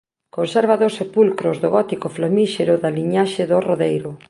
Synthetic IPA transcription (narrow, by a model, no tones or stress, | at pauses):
konsɛɾβaðosepulkɾʊzðoɣɔt̪ikoflomiʃeɾʊðaliɲaʃɪðʊroðejɾʊ